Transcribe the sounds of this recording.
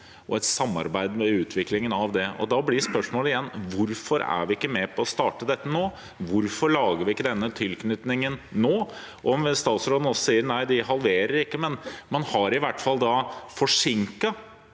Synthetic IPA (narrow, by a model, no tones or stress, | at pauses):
ʔɔɛt̪sɑmːɑ̰ɾbæɪd̪mɛʉːt̪ʰʋɪklɪŋənɑʋd̪ɛɔ̰d̪ɑblɪspœʂmoːlɪjɛnːʋʊɾfɔɾæ̰ɾʋɪɪkːəmɛpʰɔɔst̪ɑːʈəd̪ɛt̪ːənoː | ʋʊɾfɔɾɭɑːɡəɾʋɪɪkːəd̪ɛnːət̪ʰɪlknʏt̪nɪŋənːoː | ʔɔmst̪ɑːt̪sɾoːd̪n̩ɔsɔsiːəɾnæɪd̪ɪɦɑlʋeːɾəɾɪkːəmɛnmɑnhɑɾɪʋæʈːfɑld̪ɑfɔʂɪŋkɑ